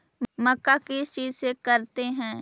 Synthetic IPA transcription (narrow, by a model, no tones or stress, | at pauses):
mɐkːakit͡ʃiːzsekɐɾt̪eɦɛ̃ː